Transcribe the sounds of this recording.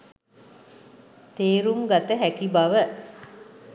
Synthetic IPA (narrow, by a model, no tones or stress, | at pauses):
t̪eːɾumɡat̪əɦækibaʋə